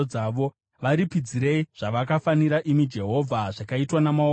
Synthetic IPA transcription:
aʋo̞ | ʋaɾipid͡ziɾe̞iʐ̥aʋakafaniɾaʔimid͡ʒe̞ɦo̞vʱaʐakaitwanamao

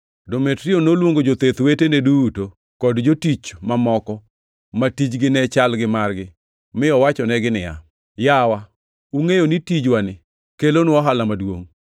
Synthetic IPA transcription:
dometɾɪonolwoŋɡod͡ʒot̪et̪weteneduto | kɔdd͡ʒotit͡ʃmamɔkɔ | matit͡ʃɡɪnɛt͡ʃalɡɪmarɡɪ | mɪɔwat͡ʃɔnɛɡɪnɪja̰ | jawa | uŋejonitid͡ʒwanɪ | kelonɔɦalamadwoŋ

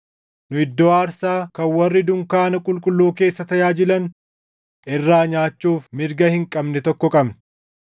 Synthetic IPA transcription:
nʊɪd̪ːɔːaːɾsaːkɐnwɐrːɪd̪ʊŋkaːnɐkʼʊlkʼʊlːoːke̞ːsːɐt̪ɐjaːd͡ʒɪlɐn | ʔɪrːaːɲaːt͡ʃːuːfmɪɾɡɐhɪŋkʼɐbnɛt̪ɔkːɔkʼɐbn

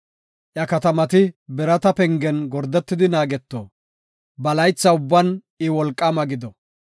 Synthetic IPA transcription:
ʔjɐkɐt̪ɐmɐt̪ɪbɛɾɐt̪ɐpɛŋɡɛnɡɔɾd̪ɛt̪ːɪd̪ɪnaːɡɛt̪ːo̰ː | bɐlɐjt͡sːɐʊbːɐn | ɪwɔlkʼːɐmɐɡɪd̪ɔ

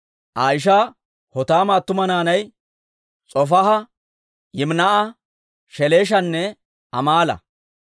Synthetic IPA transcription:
ʔaːjɪʃ̬aː | hɔt̪aːmaːt̪ːʊmɐnaːnɐj | t͡sʼɔfɐɦɐ | jɪmnɐʔɐ | ʃɛleːʃ̬ɐnːɛ | ɐ̰maːlɐ̰

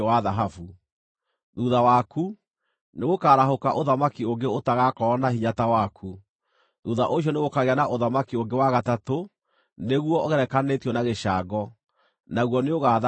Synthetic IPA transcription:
waðaɦafu | ðuːðawaːkʰu | neɣokaːɾaɦokaʔoðamakioŋɡeotaɣakɔːnahiɲatawakʰu | ðuːðaʔoɕiɔneɣokaɣeanaʔoðamakioŋɡewaɣatato | neɣwɔɣɛɾɛkanetjɔnaɣeʃaɡɔ | naɣwɔneoɣað

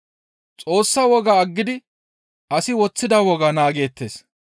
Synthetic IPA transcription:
t͡sʼo̞ːsːɐwɔɡɐːɡːɪd̪ɪ | ʔɐsɪwɔt͡sːɪd̪ɐwɔɡɐnaːɡe̞ːt̪ːe̞̰ːs

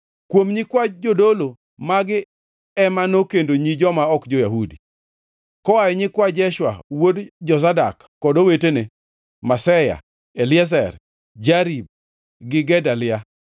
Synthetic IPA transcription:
kwomɲɪkwad͡ʒodolo | maɡɪ | ɛmanokendoɲid͡ʒɔmaɔkd͡ʒojaɦudi | kɔwajɛɲɪkwad͡ʒɛʃwa̰wodd͡ʒɔzadakːɔdowetene | masɛja̰ | elɪɛs̬ɛr | d͡ʒaɾib̚ | ɡɪɡɛdalɪa

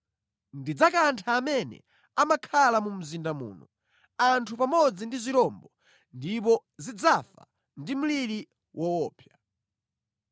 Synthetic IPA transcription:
ndid͡zakantʰaːmɛnɛ̰ | amakʰalamum̩zindamṵːnɔ | antʰupamɔd͡zindizʷiɾɔmbɔ | ndip̬ɔzid͡zafa̰ | ndim̩liɾi | wʔɔwɔːpʰja

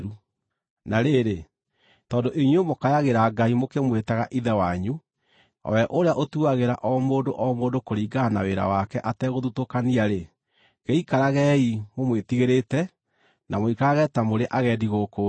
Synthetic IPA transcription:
ɾu | naɾeɾe | tɔːndoʔiɲwomokajaɣeɾaɡaimokemwetaɣaʔiðɛwaɲu | ɔ̰wɛʔoɾeaʔotuaɣeɾaʔɔmoːndoʔɔmoːdokoɾiːɡanaweɾa̰wakɛʔatɛɣoðutokaniaɾe | ɣeikaɾaɣɛimomwetiɣeɾetɛ | namoikaaɣɛtamoɾeʔaɣɛːdiɣoko

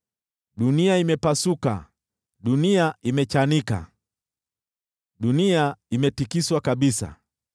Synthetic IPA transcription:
ɗuniaimɛpasuka̰ | ɗuniaimɛt͡ʃanika̰ | ɗuniaimɛtikiswakaɓisa̰

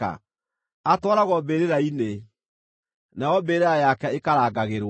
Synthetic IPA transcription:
a̰ | atwɔɾaɣɔbeɾeɾaine | najɔbeːɾeɾajakɛekaɾaːɡaɣeɾw

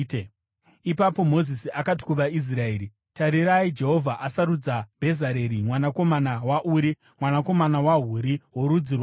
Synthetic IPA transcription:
ipapo̞mo̞zisiʔakati̥kuʋais̬rae̞ːɾi | taɾiɾaid͡ʒe̞ɦo̞vʱaʔasaɾud͡zab̥ʱe̞zaɾe̞ɾimwanako̞manawaʔuɾi | mwanako̞manawaɦuɾiwoɾud͡zirwa

